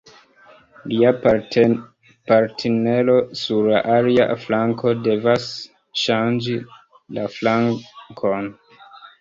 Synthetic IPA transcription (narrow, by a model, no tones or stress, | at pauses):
lia | paɾtʰene̞lo̞suɾla̰ʔalia̰flaŋko̞de̞vas | ʃand͡ʒi | laflaŋkʰo̞n